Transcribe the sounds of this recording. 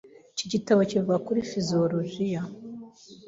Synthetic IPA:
ciɟitaβocivuɡakuɾifizioɾoʒija

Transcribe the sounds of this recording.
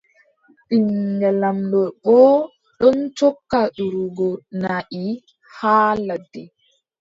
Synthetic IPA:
ʔiŋɡɛlamlɔɓɔː | ɗɔnt͡ʃɔkːaɗuɾuɡɔnaʔi | haːladːɛ

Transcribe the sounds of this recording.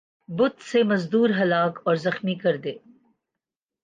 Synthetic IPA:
bʊt̪semɐzd̪uːɾɦɐlaːkɔːɾzɐxmikɐɾd̪eː

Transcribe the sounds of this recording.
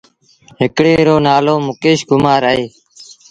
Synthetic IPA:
ɦɪkɽeːɾoːnaːloːmʊkeːʃɡʊmaːɾəeː

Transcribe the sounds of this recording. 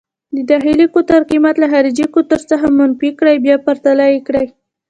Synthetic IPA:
d̪əd̪ɑxilikot̪aɾqimat̪laxɑɾid͡ʒikot̪əɾt͡səxamanfikɽajbjɑpaɾt̪alajikɽaj

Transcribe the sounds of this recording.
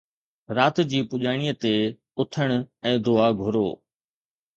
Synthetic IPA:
ɾaːt̪d͡ʑiːpʊʄaːɽ̃iət̪e | ʊt̪ʰəɽ̃ɛ̃ːd̪ʊaɡʱʊɾo̰ː

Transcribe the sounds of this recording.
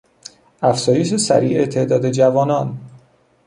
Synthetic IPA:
æfz̥ɒːje̞ʃesæ̰ɾḭːʔet̪ʰe̞ʔd̪ɒːd̪e̞d͡ʒævɒːnɒn

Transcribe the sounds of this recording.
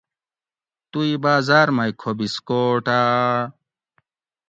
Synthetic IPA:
t̪uibaːzaːɾmɐjkʰobiskoːʈa

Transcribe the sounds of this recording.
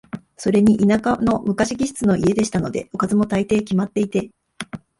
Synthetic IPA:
so̞ɾe̞ɲ̟iʔinakano̞mɯ̟kaɕiɡʲiɕɨ̥t͡sɨno̞ʔie̞d̪e̞ɕi̥t̪ano̞d̪e̞̰o̞kazɨmo̞t̪ait̪e̞ːkʲimat̪ːe̞it̪e̞

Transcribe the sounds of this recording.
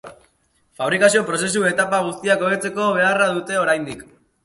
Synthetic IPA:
faβ̞ɾikasio̞pɾo̞se̞s̬ue̞t̪apaɣ̞ust̪iako̞βet͡se̞ko̞β̞e̞araðut̪e̞o̞ɾajnd̪ik

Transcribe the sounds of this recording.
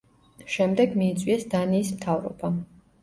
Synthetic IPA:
ʃɛmd̪ɛɡmiːt̪sʼwiɛsd̪aniːsmt̪ʰavɾɔ̰b̥a

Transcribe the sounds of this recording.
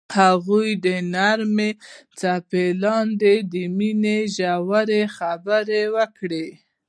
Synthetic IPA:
haɣujd̪ənaɾmet͡sapelɑnd̪ed̪əmineʒawaɾexabəɾewəkɽe

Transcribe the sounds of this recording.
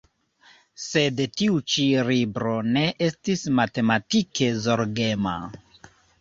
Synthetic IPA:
se̞dtiut͡ʃiɾibɾo̞ne̞ʔe̞stismate̞matike̞zo̞ɾɡe̞ma̰

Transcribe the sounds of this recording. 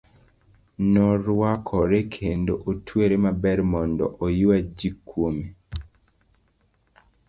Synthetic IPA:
nɔɾwakʰɔɾekʰendoʔotʰweɾemabɛɾmɔndɔ̰ʔojiwad͡ʒikʰːwomi

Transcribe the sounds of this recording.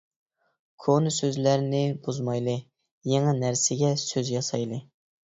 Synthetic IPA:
kʰonɨsøzlæɾnɪbuzmɑjlˠɨ | jeŋɛnæɾsɪɡʲɛsøzjɑsɑjlˠɨ

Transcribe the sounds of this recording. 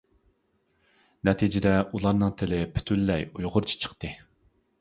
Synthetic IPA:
nɛt̪ʰid͡ʒɪd̪ɛʔulˠɑɾnɨŋt̪ʰɪlɪpʰy̥t̪ʰylːɛjujʁʊɾt͡ʃʰi̥t͡ʃʰə̥χt̪ɨ

